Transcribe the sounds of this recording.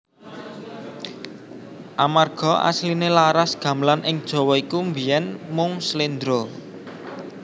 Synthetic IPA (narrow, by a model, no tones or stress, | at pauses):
ʔamarɡ̥ɔ̤ʔa̰slinelaɾasɡ̥ä̤mblanʔɪŋd̥ʒ̥ɔ̤wɔikumbijɛnmʊŋslind̪ɾo